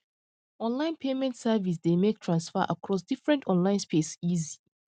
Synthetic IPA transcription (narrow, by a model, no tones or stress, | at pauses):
ɔ̃nlãɪ̃npʰemɛ̃ntsɛvis̬demek̚tʰɹãnsfəʔakʰɹɔs̬difɹɛ̃ntɔ̃nlãɪ̃nspʰesizi